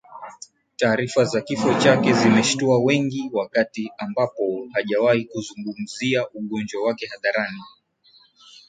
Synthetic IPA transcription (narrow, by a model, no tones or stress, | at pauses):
taːɾifazakifɔt͡ʃakɛzimɛʃtuawɛŋɡiwakatiambapɔhaʄawahikuzuŋɡum̩ziaʔuɠɔnd͡ʒwawakɛhaðaɾani